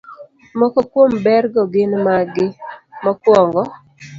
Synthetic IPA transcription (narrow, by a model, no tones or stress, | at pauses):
mɔkɔkwombɛɾɡɔɡɪnmaɡɪmɔkwɔŋɡɔ